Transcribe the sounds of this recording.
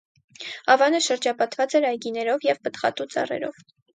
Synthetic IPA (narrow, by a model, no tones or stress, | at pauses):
ɑvɑnəʃəɾd͡ʒɑpɑt̪vɑt͡sɛɾɑjɡinɛɾɔvjɛvpət̪χɑ̰t̪ut͡sɑ̰rɛ̰ɾɔ̰v